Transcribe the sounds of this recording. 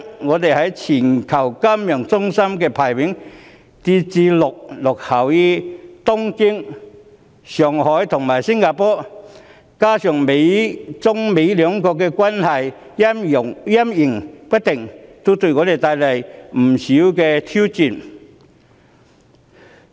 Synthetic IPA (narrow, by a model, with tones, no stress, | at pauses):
ŋɔː˨˧t̪e˨jhɐ˨˥jt͡sʰiː˨˩nkʰɐ˨˩wkɐ˥mjœː˨˩ŋt͡sʊ˥ŋsɐ˥mkɛː˧pʰaː˨˩jwɪ˨˥ŋ | t͡si˧t͡siː˧lʊ˨˩k̚lʊ˨k̚hɐ˨˩wjiː˧˥t̪ʊ˥ŋkɪ˥ŋ | sœː˨˩ŋhɔː˨˥jt̪ʰʊ˨˩ŋmaː˨˩jsɪ˥ŋkaː˧˩pɔː˨˧˥ | kaː˥sœː˨˩ŋme˨˧jt͡sʊ˥ŋme˨˧jlœː˨˧ŋkɔː˧k̬ːɛː˧kʷa˥nhɐ˨jjɐ˥mʊ˨˩ŋjɐ˥mjɪ˨˩ŋpɐ˥t̚t̪ɪ˨˩ŋt̪o˥wt̪ɵ˧ɥŋɔː˨˧t̪e˨jt̪aː˧jlɐ˨jm̩˨˩siː˨˥wkɛː˧t̪ʰi˥wt͡siː˨˩n